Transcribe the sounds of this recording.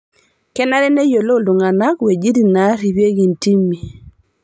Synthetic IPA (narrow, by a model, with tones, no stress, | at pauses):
kɛ˦na˦ɾɛ˦nɛ˦jo˨lo˦˨ldu˨ŋa˨na˦kwe˨d͡ʒi˦ɾi˨na˨˦ɾi˨βje˦ɡi˨nti˦mi˨